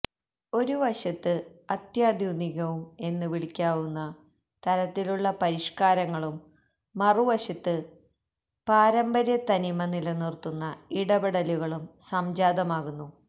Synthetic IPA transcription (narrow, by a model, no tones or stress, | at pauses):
o̞ɾuʋɐɕɐt̪ːɨɐt̪jaːd̪ʱjuniɣɐʋume̞nːɨʋiɭikʲːaːʋunːɐ | t̪ɐɾɐt̪ːiluɭːɐpɐɾiʂkaːɾɐŋːɐɭumː | ɐruʋɐɕɐt̪ːɨ | paːɾɐmbɐɾjɐt̪ɐnimɐnilɐnirt̪ːunːɐiɽɐbɐɽɐluɣɐɭumsɐmd͡ʑaːd̪ɐmaːɣunːu